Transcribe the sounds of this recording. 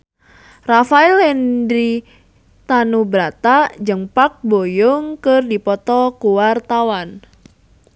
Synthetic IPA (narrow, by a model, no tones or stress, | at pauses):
rafailɛndɾi | t̪anubɾat̪ad͡ʒəŋpak̚bojɔŋkərdipɔt̪ɔkuwart̪awan